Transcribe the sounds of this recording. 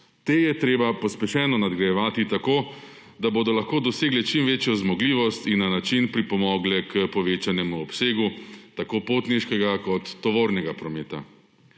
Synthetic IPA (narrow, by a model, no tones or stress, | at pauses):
t̪eːjɛt̪ɾeːbapɔspɛʃɛːnɔnad̪ɡɾajɛʋaːt̪it̪akoː | d̪aboːd̪ɔlaxkoːd̪ɔseːɡlɛt͡ʃimʋeːt͡ʃjɔzmɔɡliːʋɔst̪inːanat͡ʃinpɾipɔmɔːɡlɛkəpɔʋeːt͡ʃanɛmuɔpseːɡut̪akoːpoːt̪niʃkɛɡakɔt̪ːɔʋoːɾnɛɡapɾɔmeːt̪a̰